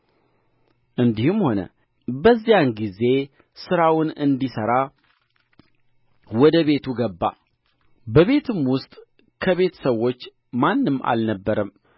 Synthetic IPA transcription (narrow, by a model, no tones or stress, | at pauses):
ʔɨnd̪ihɨmho̞nə̰ | bəzːijanɡize̞ | sɨɾawʊnɨnd̪isəɾa | wɔd̪əβe̞t̪ʰuɡəbːa̰ | bəβe̞t̪ʰɨmwʊst̪ʼ | kʰəβe̞t̪ʰə̥səwːo̞t͡ʃː | manːɨmːa̰lnəbːəɾəm